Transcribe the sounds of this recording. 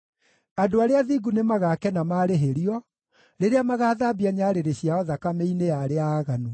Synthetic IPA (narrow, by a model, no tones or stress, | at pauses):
adoaɾeaðiɡunemaɣakɛnamaːɾeɦeɾiɔ | ɾeɾeamaɣaːðaːbiaɲaːɾeɾeɕiaɔðakameinejaɾeaːɣanu